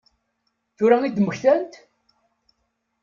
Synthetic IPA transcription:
θʊɾæŋid̪məçθænt̪

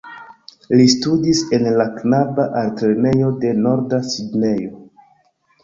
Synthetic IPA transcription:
listudise̞nlaknabaʔaltɾene̞jo̞de̞no̞ɾdasidne̞jo̞

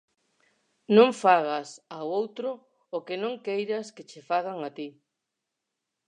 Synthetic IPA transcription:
nõɱfaɣasawowt̪ɾʊː | kenõŋkejɾɐsket͡ʃefaɣaŋat̪i

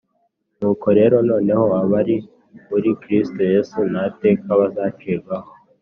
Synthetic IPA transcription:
nuːko̞ɾe̞ːɾo̞no̞ːne̞ho̞aβaɾi | muɾikɾisto̞je̞sunate̞ːkaβazaːt͡ʃeːɾɡaho

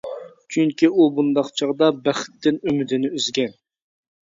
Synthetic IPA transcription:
t͡ʃʰyŋkʲiubund̪ɑqt͡ʃʰɑʁd̪ɑbæχɪ̥t̪ːɪnymɪd̪ɪnɪyzɡʲɛn

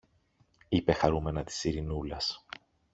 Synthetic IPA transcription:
ipe̞xɐɾume̞nɐt̪i̥siɾinulɐs

